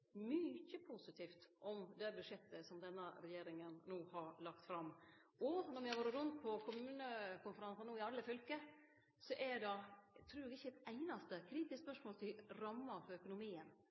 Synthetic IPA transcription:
myçəpʰusɪt̪ʰiːft̪ʔɔmd̪ɛbʉd̪ʂɛt̪ːəsɔmd̪ɛnːəɾɛjeːɾɪŋənnuːhɑɾlɑkt̪fɾɑmːɔnɔɾmɪhʋoːɾət̪ɾʉnt̪̚pʰɔkʰʊmʉːnəkʊnfəɾɑnsɑnuːɪɑlːəfʏlkə | sɔʔɛdɑt̪ʰɾʉːɾd̪ɛɡɪçːəɛt̪æɪnɑst̪əkʰɾiːt̪ɪskspœʂmoːlt̪ʰɪɾɑmːɑɾfɔɾœkʊnʊmiːən

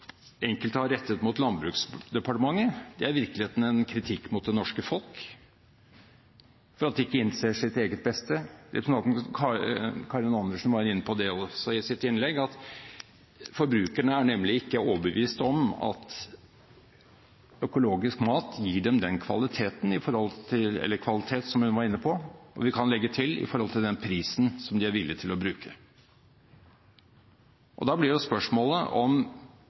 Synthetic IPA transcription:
ɛŋkəlt̪əhɑɾɛt̪ːət̪mʊt̪lɑnbɾʉːksd̪ɛpɑʈəmɑŋːəd̪ɛæɾʋɪɾklɪeːt̪nəɛnkʰɾɪt̪ʰɪkːmʊt̪̚d̪ɛnɔʂkəfɔlˠk | fɔɾɑt̪̚d̪ɛɪkːəɪnseːʂɪt̪eːɡət̪̚bɛst̪əd̪ɛ̰snɑkʰɑkʰɑːɾɪnɑnd̪əʂn̩ʋɑɾɪnːəpʰɔd̪ɛɔsɔɪsɪt̪ɪnlɛɡɑt̪ | fɔɾbɾʉːkæɳəæɳɛmːlɪɪkːəoːʋbəʋiːst̪ɔmɑ̰t̪ | œkʊloːɡɪskmɑːt̪jiːɖɛmd̪ɛnkʰʋɑlɪt̪ʰeːt̪n̩ɪfɔɾhɔlt̪ʰɪlɛ̰lːəkʰʋɑlɪt̪ʰeːt̪sɔmhʉnʋɑɾɪnːəpʰɔɔ̰ʋɪkʰɑnlɛɡːət̪ʰɪlɪ̰fɔɾhɔlt̪ʰɪld̪ɛnpʰɾiːsn̩sɔmd̪ɪæɾʋɪlːɪt̪ʰɪlɔbɾʉːkʰə | ʔɔ̰d̪ɑblɪɖɛspœʂmoːləʔɔm

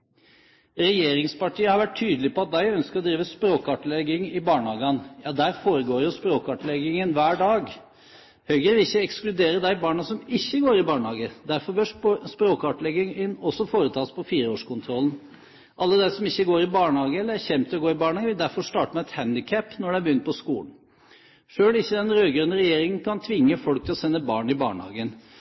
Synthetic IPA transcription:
ɾɛjeːɾɪŋspɑʈʰiːəhɑɾʋæʈ̚ʰːyːd̪əlɪpɔɑt̪̚d̪æɪœnskəɾɔd̪ɾiːʋəspɾoːkɑʈlɛɡɪŋɪbɑːɳhɑːɡɑnjɑːd̪æɾfoːɾəɡoːɾjʊspɾoːkɑʈlɛɡɪŋənʋæːɖɑːɡ | hœʏɡəʋɪlɪçːəɛksklʉd̪eːɾəd̪æɪbɑːɳɑsɔmɪçːəɡoːɾɪbɑːɳhɑːɡəd̪æɾfɔɾbøːʂspɾoːkɑʈlɛɡɪŋɪnɔsɔfoːɾət̪ʰɑːspʰɔfiːɾəoːʂkʊnt̪ʰɾɔln | ʔɑlːəd̪æɪsɔmɪçːəɡoːɾɪbɑːɳhɑːɡəɛlːəæçɛmt̪ʰɪlɔɡoːɾɪbɑːɳhɑːɡəʋɪld̪æɾfɔʂt̪ɑːʈəmæɛt̪hænd̪ɪkʰæpːnɔɖɛæbəjʏnt̪pʰɔskṵːln̩ | ʂøːlɪçːəd̪ɛnɾøːɡɾʉːnəɾɛjeːɾɪŋən̩kʰɑnt̪ʰʋɪŋːəfɔlk̚t̪ʰɪlɔsɛnːəbɑːɳɪbɑ̰ːɳhɑ̰ːɡən

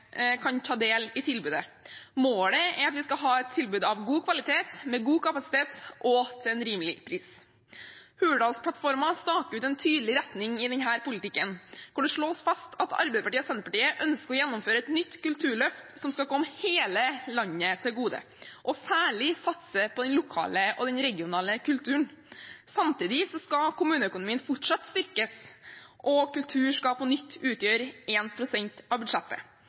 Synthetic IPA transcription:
kʰɑnt̪ʰɑːd̪eːlɪt̪ʰɪlbʉːd̪əmoːləɛɾɑt̪ʋɪskɑɦɑːɛt̪ʰːɪlbʉːd̪ɑʋɡuːkʰʋɑlɪt̪ʰeːt̪mɛɡuːkɑpɑsɪ̥t̪ʰeːt̪ʔɔt̪ʰɛnɾiːmlɪ̰pʰɾiːs | hʉːəɖɑːlspʰlɑt̪fɔɾmɑst̪ɑːkəɾʉːt̪ɛnt̪ʰyːd̪lɪɾɛt̪nɪŋɪd̪ɛɲɦæːɾpʊlɪt̪ɪkːənkɔɖ̪ɛʂɭoːsfɑst̪ʰɑt̪ɑ̰ɾbɛɪd̪əpɑʈiːɔsɛnəɾpɑʈiːəʔœnskəɔjɛnːɔmføːɾəɛt̪nʏt̪ːkʉlt̪ʰʉːɭœft̪sɔmskɑlkʰɔmːəheːləlɑɲːət̪ʰɪlɡuːd̪ə̰ | ʔɔsæːɭɪsɑt̪səpʰɔd̪ɛnlʊkʰɑ̰ːləʔɔd̪ɛnɾɛɡɪʊnɑːləkʉlt̪ʰʉːnsɑmt̪iːd̪ɪsɔskɑkʊmʉːnəœkʊnʊmiːənfʊʈʂɑt̪ːst̪ʏɾkəsʔɔkʉlt̪ʰʉːʂkɑpɔnʏt̪ʰːʉːt̪jøːɾeːnpʰɾʊsɛɲt̪ɑːʋbʉd̪ʂɛt̪ːə̰

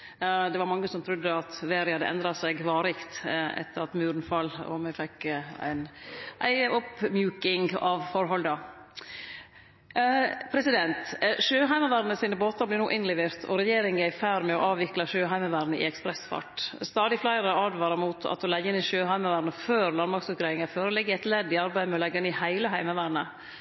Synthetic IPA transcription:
d̪ɛʋɑɾmɑŋːəsɔmt̪ʰɾʉd̪ːəɑt̪ʋeːɾɪhɑd̪ːə̰ʔɛ̰nd̪ɾɑsɛɡʋɑːɾɪkt̪ɛ̰t̪ːəɾɑt̪mʉːɾnfɑlːɔ̰mɛfɛkːæ̰ɪnʔæ̰ɪɔpmjʉːkɪŋɑʋfɔɾɦɔld̪ɑ | pʰɾɛsɪd̪ɛnt̪ʃøːɦæɪmɑʋæːɾnəsiːnəboːt̪ɑblɪɾnuːʔɪnlɛʋeːɾt̪ʰɔ̰ɾɛjeːɾɪŋæɪfæːɾmɛɔʔɑːʋɪklɑʃøːɦæɪmɑʋæːɾnəʔɪ̰ɛkspɾɛsfɑ̰ʈst̪ɑːd̪ɪflæɪɾəɑːd̪ʋɑːɾɑmuːt̪ʰɑ̰t̪̚hɔlæɡɪnɪʃøːhæɪməʋæːɾnəføːɾlɑnmɑɾksʉkɾeɪɪŋəføːɾɔlɛɡːəɛt̪lɛd̪ːɪɑɾbæɪmɛɔlɛɡːɛnɪhæɪləɦæɪməʋæːɾnə

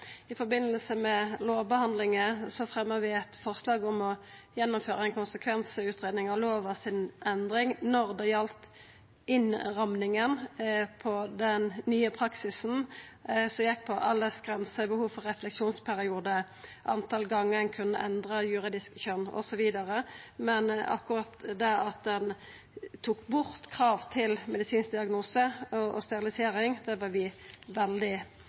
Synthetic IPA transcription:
ɪfɔbɪnːəlsəmɛloːʋbəhɑnd̪lɪŋəsɔfʁɛmːəʁʋɪɛt̪fɔʁslɑːɡɔmɔjɛnːʊmføːɾəɛnkʊnsəkʰʋɛnsəʉːt̪ʁeːd̪nɪŋɑʋloːʋɑsɪnɛnd̪ʁɪŋnɔʁd̪ɛjɑlt̪ | ɪnʁɑmnɪŋənpʰɔd̪ɛnːyːəpʰʁɑksɪsn̩ | sɔjɛk̚ːpʰɔʔɑlːəsɡʁɛnsəbəhuːʋfɔɾɛflɛksuːnspʰæɾɪuːd̪ə | ʔɑ̰nt̪ʰɑlɡɑŋːəd̪ɛnkʰʉnːə̰ʔɛnd̪ʁəjʉɾɪd̪ɪskçœnːɔ̰sɔʋiːd̪ɑɾəmɛnɑ̰kʊʁɑt̪d̪ɛɑt̪̚d̪ɛn | t̪ʰuːkbʊɾt̪kʰʁɑːʋt̪ʰɪlmɛd̪ɪsiːnsd̪ɪɑɡnuːsəɔɔst̪ɛɾɪlɪseːɾɪŋd̪ɛʋɑɾʋɪʋɛld̪ɪ

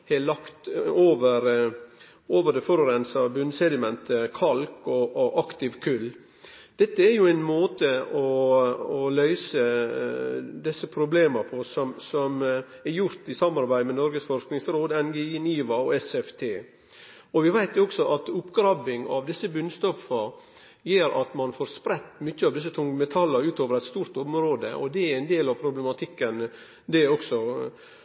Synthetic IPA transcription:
hɛlɑkt̪oːʋəɾ | oːʋəɾɖɛfɔɾɔɾɛnsɑbʉnsɛd̪ɪmɛnt̪ʰəkʰɑlkɔʔʔɑkt̪ɪʋkʰʉlː | d̪̥ɛt̪ːəæɾjʊæɪnmoːt̪əɔɔlœʏsə | d̪ɛsːəpʰɾʊbleːməɾpʰɔsɔmsɔm | æɾjʊɾt̪ɪsɑmɑɾbæɪd̪mɛnɔɾɡəsfɔɾʂknɪŋsɾoːd̪ɛnɡeiniːʋɑɔɛsɛft̪ʰeː | ɔʋɪʋæɪt̪ɔksɔʔɑt̪ʊpːɡɾɑbɪŋɑ̰ʋd̪ɪsːəbʉnst̪ɔfəɾ | jiːɾʔɑt̪mɑnfoːɾspɾɛt̪ːmʏçːəɑːʋd̪ɪs̬ət̪ʰʊŋːəmɛt̪ʰɑlːəɾʉːt̪oːʋəɾæɪt̪st̪uːɾt̪ʊmɾoːd̪ə̰ʔɔ̰d̪ɛææɪnd̪eːlɑʋpʰɾʊblɛmɑt̪ʰɪkːən | d̪ɛɔksɔ

